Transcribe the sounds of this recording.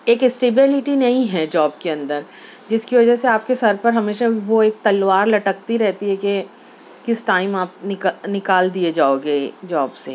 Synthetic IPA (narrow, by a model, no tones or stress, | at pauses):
eːkɪsʈeːbɪlɪʈinɐɦĩɦɛd͡ʒɔːbkeɐ̃nd̪əɾ | d͡ʒɪskiʋɐd͡ʒəseaːp̚kesɐɾpɐɾɦɐmeːʃaʋoeːk̚t̪ɐlʋaːɾlɐʈək̚t̪iɾɛɦt̪iɦɛke | kɪsʈaːɪmaːp̚nɪknɪkaːld̪ied͡ʒaːoːɡed͡ʒɔːbseː